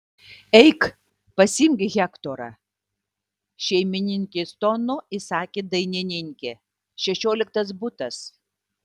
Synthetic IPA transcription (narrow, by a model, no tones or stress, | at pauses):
ɛɪk | pɐsʲɪmʲɡʲɣʲɛkt̪oːɾɑ̰ | ʃʲɛɪmʲɪnʲɪŋʲkʲeːst̪onʊɪsɑːkʲeːd̪ɐɪnʲɪnʲɪŋʲkʲeː | ʃʲɛʃʲoːlʲɪk̚t̪ɐsbʊt̪ɐs